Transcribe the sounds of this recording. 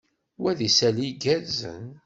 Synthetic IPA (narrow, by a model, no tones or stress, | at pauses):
wæðisæliɡæɾzə̰n